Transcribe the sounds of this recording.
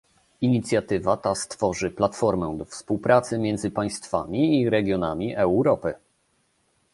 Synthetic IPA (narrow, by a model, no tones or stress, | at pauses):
iɲit̪sʲjat̪ɘvat̪ast̪fɔʐɘplat̪fɔɾmɛd̪ɔfspuwpɾat̪sɘmʲjɛnd̪zɘpaj̃st̪fa̰mʲiːɾɛɡʲjɔnamʲiʔɛwɾɔpɘ